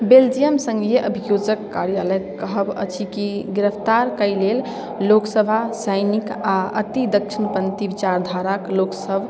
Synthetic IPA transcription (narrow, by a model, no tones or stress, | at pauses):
beld͡ʒijəmsə̃ŋɡeʔəbʱijod͡ʒəkːaɾjaləjkəɦəbə̰t͡ʃʰikiɡɾəpʰt̪aɾkəjlel | loksəbʱasəjnikaə̰t̪id̪ək̚t͡ʃʰinpənt̪ibit͡ʃaɾd̪ʱaɾakloksəbʱ